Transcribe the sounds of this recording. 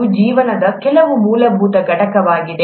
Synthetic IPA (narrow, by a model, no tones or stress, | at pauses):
ud͡ʒiːʋɐnɐd̪ɐkɛlɐʋumuːlɐbʱuːt̪ɐɡʱɐʈɐkɐʋaːɡid̪e